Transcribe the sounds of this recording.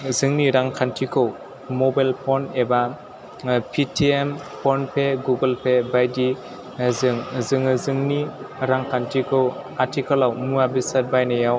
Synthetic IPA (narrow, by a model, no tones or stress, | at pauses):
zɯŋniɾaŋkʰantʰikʰɯw | mɔbajlpʰɔneba | pʰitʰiem | pʰɔnpʰeɡuɡɯlpʰebajdi | zɯŋzɯŋɯzɯŋniɾaŋkʰantʰikʰɯwatʰikʰɔlawmuabisat̚bajnajaw